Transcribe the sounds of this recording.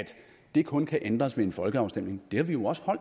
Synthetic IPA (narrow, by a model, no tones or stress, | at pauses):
æd̥ | d̥e̝kʰɔ̽nkʰæʔend̥ʁɐsʋeenfɒ̽lɡ̥əɑ̈ʊsd̥em̰ne̝ŋd̥e̝hɑ̈ʋijo̝ɒ̽sə̥hɒ̽l̰̥